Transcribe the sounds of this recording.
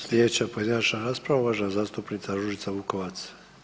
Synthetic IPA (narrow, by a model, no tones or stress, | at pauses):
slʲjed̪et͡ɕapo̞je̞d̪inat͡ʃnaɾaːspɾaʋauʋaːʒnazaːst̪upnit̪saɾɾuʒit̪saʋuko̞ʋat̪s